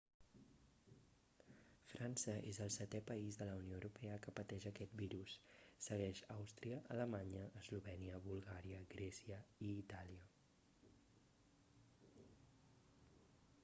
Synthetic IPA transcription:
fɾʔansəʔḛzəlˠsɛt̪ɛpəizðələunioəɾupɛəkəpət̪ɛʒəkɛt̪̚biɾusːəɣ̞ɛʃawst̪ɾiəʔələmaɲəːzluβɛniəβulˠɣaɾiəɣɾɛsiəiːt̪aliə

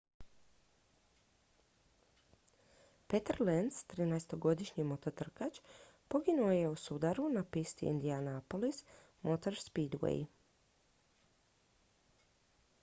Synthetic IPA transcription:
pe̞t̪aɾlenst̪ɾiːnaest̪o̞ɡo̞d̪iʃɲimo̞t̪ot̪r̩kat͡ʃ | po̞ɡinuoje̞usud̪aɾunapist̪ḭḭnd̪ianapolis | mot̪oɾspid̪wḛj

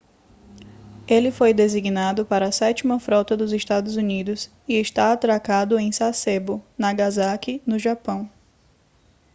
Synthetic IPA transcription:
elɪfojd̪eziɡnad̪ʊpaɾɐsɛt͡ʃimɐfɾɔt̪ɐd̪ʊzeʃt̪ad̪ʊzunid̪ʊs | ɪɪʃt̪aːt̪ɾakad̪ʊẽj̃sasebʊnɐɡazakɪnʊʒapɐ̃w̃

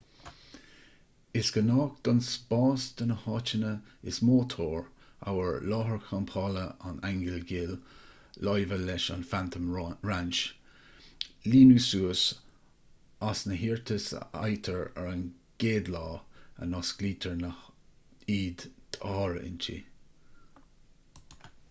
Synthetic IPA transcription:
ɪsɡ̥ənɑːkd̪̥ɑnsb̥ɑːsd̪̥ənəhɑːt͡ʃənəɪ̰smoːt̪ʰoːɹa̰wəɹlɑːɦəɹkʰampʰɑːləa̰naŋɡəlɡɪːl | lɔjvəlɛʃa̰nfant̪ʰəmɹant͡ʃ | liːnusuːəs | asnəɦiːɹt̪ʰəsa̰jt̪ʰəɹə̰ɹənɡ̥eːd̪lɑːə̰nɑsɡ̥liːt̪ʰəɹnə | iːd̪t̪ʰɑːɹɪ̰nt͡ʃʰḭ

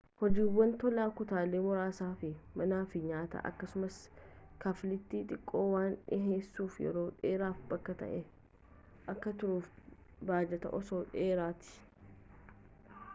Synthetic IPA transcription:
hɔd͡ʒiːwːɐnt̪ɔlaːkʊt̪aːleːmɔɾaːsaːfɪmɐnaːfɪɲaːt̪ɐ̰ʔɐ̰kːɐsʊmɐskaflɪt̪ːiːᶑʼɪkʼːo̞ːwaːnɪ̰ɦeːsːuːfjɛ̰ɾo̞ːᶑeːɾaːfbɐkːɐt̪ɐ̰ʔɛ | ʔɐkːɐt̪ʊɾuːf | baːd͡ʒɛt̪ɐ̰ʔɔsoːᶑeːɾaːt̪ɪ̥

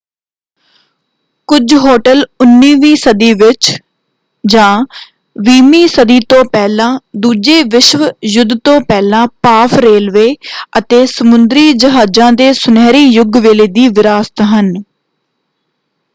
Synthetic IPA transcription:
kʊd͡ʒɦoːʈəlʊnːiːʋiːsəd̪iːʋɪt͡ʃ | d͡ʒãː | ʋiːmiːsəd̪iːt̪õːpɛːlãːd̪uːd͡ʒeːʋɪʃʋjʊd̪t̪õːpɛːlãːpaːpʰɾeːlʋeːət̪eːsəmʊnd̪ɾiːd͡ʒəɦaːd͡ʒãːd̪eːsʊnɛːɾiːjʊɡʋeːleːd̪iːʋɪɾaːst̪ɦən

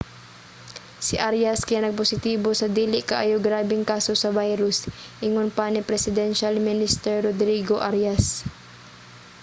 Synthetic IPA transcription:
sɪʔaɾjɐskɐjaːnɐɡ̚posɪt̪iːbo̞sɐd̪iːlɪʔkɐʔaːjoɡɾaːbɛŋkaːsosɐbajɾʊsʔɪŋonpanɪpɾɛsɪd̪ɛnʃalmɪnɪst̪ɛɹːod̪ɾiːɡoʔaɾjas

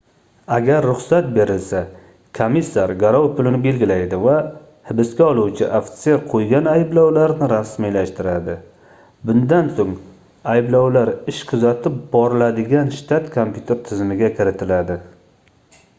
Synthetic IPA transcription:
aɡʲaɾːʊχsat̪̚be̞ɾɪlsa | kʰomisːaɾɡʲaɾɒwpʰʊlɪnɪbe̞lɡʲɪlajd̪ɪva | hɪbɪskʲaɒlˠuwt͡ʃʰɪʔaft̪seɾqʰojɡʲanajɪblawlaɾnɪɾasmijlaʃt̪ɪɾad̪ɪ | bʊnd̪ansoŋ | ajblɒwlaɾɪʃqʰʊzat̪ʰɪp̚bɒɾɪlad̪ɪɡʲanʃt̪ʰat̪kʰompʰʲjut̪ʰeɾt̪ʰɪzmɪɡʲakʲʰɪɾɪt̪ʰɪlad̪ɪ

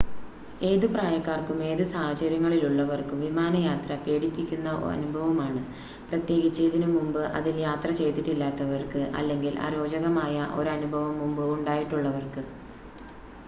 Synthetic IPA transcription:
e̞ːðupraːjɐkːaːrkume̞ːðɨsaːɦɐt͡ɕɐɾjɐŋːɐɭiluɭːɐʋɐrkuʋimaːnɐjaːt̪rɐpe̞ːɽipːikʲːunːɐ̰ɐ̰nubʱɐʋɐmaːɳɨ | prɐt̪je̞ːɣit͡ɕːeːðinɨmumbɨʔɐ̰ðiljaːt̪rɐt͡ɕe̞jt̪ːiʈːilːaːt̪ːɐʋɐrkɨʔɐ̰lːe̞ŋɡilʔa̰ɾo̞ːd͡ʑɐɣɐmaːjɐʔo̞̰ɾuɐnubʱɐʋɐmːumbɨuɳɖaːjiʈːuɭːɐʋɐrkɨ

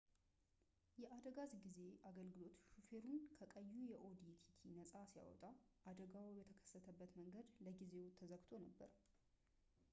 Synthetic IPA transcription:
jɛʔad̪əɡazɡize̞ʔaɡəlɡɨlo̞t̪ʃufe̞ɾunkʰəkʼəjːujɛʔo̞d̪it̪ʰit̪ʰinəsʼasija̰wɔ̰t̪ʼaʔad̪əɡawijɛt̪ʰəkʰə̥sːət̪ʰəbːət̪məŋɡəd̪ləɡize̞wt̪ʰːəzəɡt̪ʰo̞nəbːə̰ɾ

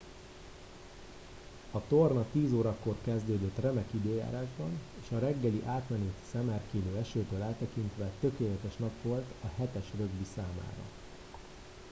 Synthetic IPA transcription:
ɒt̪ornɒt̪iːzoːɾɒkːo̞rkɛzd̪øːd̪øt̪rɛmɛkid̪øːja̰ːɾaːʒbɒneːʃɒɾɛɡːɛliʔaːt̪mɛnit̪sɛmɛrkiːløːɛʃøːt̪øːlaːt̪ːɛkint̪ʋɛt̪ø̞keːlɛt̪ɛʃnɒkʋo̞lt̪ɒɦɛt̪ɛʃrøɡbisaːma̰ːɾɒ̰

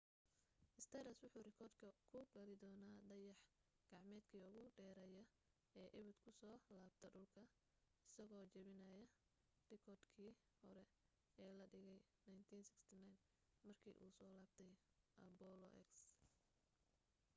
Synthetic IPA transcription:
ʔɪst̪ʰɛɾɐswʊħuːrɪkʰɔːrd̪kʰɐkʰʊɡɐlɪd̪ɔːnaːɖɐjɑħ | ɡ̥ɑʕmɛːd̪kʰiːʊɣʊɖɛːɾɛjɐ | ɛːʔɪβɪd̪kʰʊsɔːlaːbt̪ʰɐɖʊlkʰɐ | ɪsɐɣɔːt͡ʃɐβɪnɐjɐ | rɪkʰɔːrd̪kʰiː | hɔɾɛ | ɛːlɐɖɪɣɛjnajnt̪ʰiːnsɪkst̪ʰɪnajn | mɐrkʰḭːʔṵːsɔːlaːb̚t̪ʰɛj | ʔɐbɔlɔ̰ʔɛ̰ks

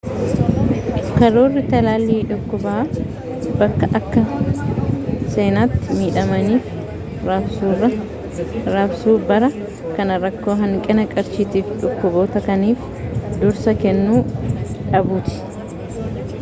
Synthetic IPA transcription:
kɐɾoːrːɪt̪ɐlaːlːiːᶑʊkːʊbaː | bɐkːɐʔɐkːɐ | se̞ːnaːt̪ːɪmiːᶑɐmɐniːf | ɐ | ɾɐbsuːbɐɾɐ | kɐnɐɾɐkːo̞ːɦɐŋkʼɪnɐkʼɐɾʃiːt̪iːfᶑʊkːʊboːt̪ɐkɐniːf | d̪ʊɾsɐkɛnːuːᶑɐbuːt̪ɪ̥

